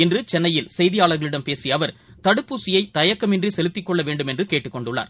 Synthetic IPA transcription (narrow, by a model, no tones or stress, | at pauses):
ɪndrɯt͡ʃɛnːɐjɪlsɛjðɪjaːɭɐɾɣɐɭɪɽɐmpeːsijɐʋɐɾ | t̪ɐɽɯpːuːsɪjɐɪt̪ɐjɐkːɐmɪndrisɛlɪt̪ːɪkːɔɭːɐʋeːɳɖɯmɛndrɯkeːʈːɯkːɔɳɖɯɭːa̰ːɾ